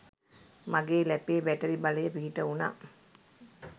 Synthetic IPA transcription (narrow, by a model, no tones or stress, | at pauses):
maɡeːlɛpeːbæʈəɾibaləjəpiɦiʈəuna̰